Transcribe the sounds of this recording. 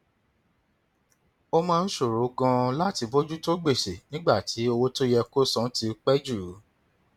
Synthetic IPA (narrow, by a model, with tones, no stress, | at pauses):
o˦mãː˦˧n̩˦ʃo˦˨ɾo˨˦kã˧la˦ti˧bo˦d͡ʒu˦to˦ɡ͡be˦˨se˨nĩ˦ɡ͡ba˦˨tʰi˨˦o˧wo˦to˦jɛ˧ko˦sɔ̃˦ti˧˦k͡pɛ˦d͡ʒu˦˨˦